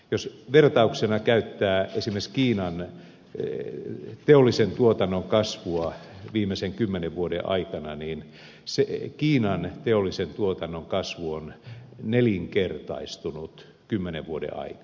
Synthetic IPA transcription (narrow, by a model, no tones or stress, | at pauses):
josʋert̪ɑuksenɑkæyt̪ːæːesimːˑeskiːnɑn | t̪eolːisent̪uot̪ɑnːoŋkɑsʋuɑʋiːmeseŋkymːeneʋʋuodḛʔɑ̰ikɑnɑniːn | sekiːnɑnt̪eolːisent̪uot̪ɑnːoŋkɑsʋuonneliŋkert̪ɑ̰ist̪unut̪ | kymːeneʋʋuodḛʔɑ̰ikɑ